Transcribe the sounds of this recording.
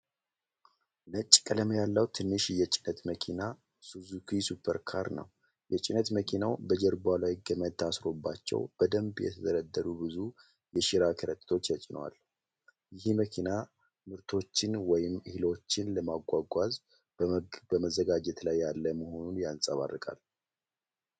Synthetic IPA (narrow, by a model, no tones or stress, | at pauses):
nət͡ʃʼːkʼələmjalːəwt̪ʰɨnːɨʃjɛt͡ʃʼɪnət̪məkʰina | suzukʰisupʰəɾkʰa̰ɾnə̰w | jɛt͡ʃʼɪnət̪məkʰinawbəd͡ʒəɾbalawjiɡəməd̪t̪ʰasɾo̞bːat͡ʃːɛ̰wb̥əd̪əmbjɛ̰t̪ʰəzəɾəd̪ːəɾubɨzu | jɛʃɪɾakʰəɾət̪ʼt̪ʰo̞t͡ʃːjat͡ʃʼɪnwa̰l | jɪɦməkʰina | mɨɾt̪ʰo̞t͡ʃːɪnwɔjɪmhilo̞t͡ʃːɪnləmaɡʷaɡʷaz | bəməzːəɡad͡ʒɛt̪lajːalːəməho̞nunjansʼəβa̰rːɨkʼa̰l